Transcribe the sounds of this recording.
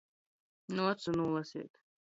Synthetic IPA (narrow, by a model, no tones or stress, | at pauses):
nuat̪sunulˠasḭːt̪